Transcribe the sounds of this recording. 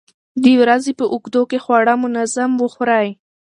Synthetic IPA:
d̪ewɾazepəʔʊkd̪okexwɑɽamʊnazamwəxɾaj

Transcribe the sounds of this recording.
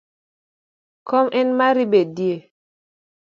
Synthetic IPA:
kɔmʔɛnmaɾibedie

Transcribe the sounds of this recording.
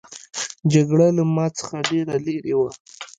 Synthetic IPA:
d͡ʒaɡɽalamɑt͡sə̥xaɖeɾaleɾewa

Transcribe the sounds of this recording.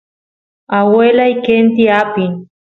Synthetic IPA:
awelajkent̪iapi

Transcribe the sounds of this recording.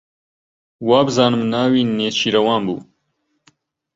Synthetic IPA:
waːbzɑːnmnaːwiːneːsɕiɾɐwɑːnbṵː

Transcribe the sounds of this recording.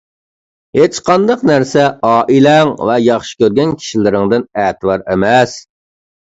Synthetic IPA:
het͡ʃqʰɑnd̪ɑqnæɾsɛɑːʔilɛŋvɛjɑχʃi̥kʲøɾɡʲɛnkʲʰi̥ʃilɪɾɪŋd̪ɪnɛːt̪ʰɪwɑɾemɛs

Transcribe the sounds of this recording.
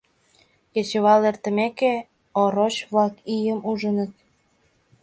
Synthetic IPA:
jet͡ɕə̆βɑlert̪ə̆meke | oɾot͡ɕβlɑkijəmuʒənə̆t̪̚

